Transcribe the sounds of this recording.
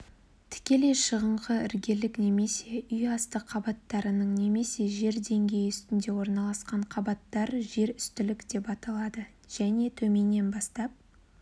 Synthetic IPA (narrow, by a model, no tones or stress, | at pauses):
t̪ʰɪ̥kʲe̞le̞ʃəʁəɴʁəɪɾɡʲe̞lɪkne̞me̞se̞ʏjɑst̪əqʰːɑbɑt̪ːɑɾənəɴne̞me̞se̞ʒe̞ɾd̪e̞ŋɡʲe̞jʏst̪ɪnd̪e̞wo̞ɾnɑlˠɑsqɑɴqʰɑbɑt̪ːɑɾʒe̞ɾʏst̪ɪlɪkd̪̥e̞pɑt̪ɑlˠɑd̪ə | ʒ̥æne̞t̪ʰɵme̞nːe̞nbɑst̪ɑp̚